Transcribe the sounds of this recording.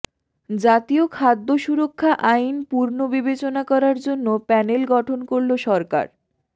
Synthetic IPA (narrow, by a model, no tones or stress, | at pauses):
d͡ʑat̪iokʰad̪ːoʃuɾokʰːaʔajnpuɾnobibet͡ɕonakɔɾaɾd͡ʑonːopɛnelɡɔʈʰonkoɾloʃɔɾka̰ɾ